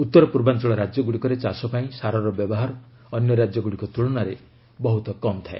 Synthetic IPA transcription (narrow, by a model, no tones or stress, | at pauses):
ut̪ːɔɾɔpuɾbant͡ʃɔɭɔɾad͡ʒjɔɡuɽikɔɾet͡ʃasɔpaĩsaɾɔɾɔbjɔbɔɦaɾɔ | ɔnjɔɾad͡ʒjɔɡuɽikɔt̪uɭɔnaɾe | bɔɦut̪ɔkɔmt̪ʰae